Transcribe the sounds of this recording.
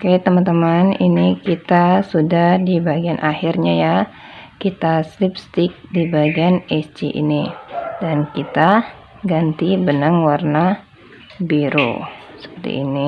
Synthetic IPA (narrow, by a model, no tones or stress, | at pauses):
kajat̪əmant̪əmaninikit̪asudahdibaɡianʔahirɲaja | kit̪aslip̚st̪ɪk̚dibaɡianɛsd͡ʒiʔḭnidankit̪a | ɡant̪ibənəŋwarna | biɾo̰sə̥pərt̪ḭːni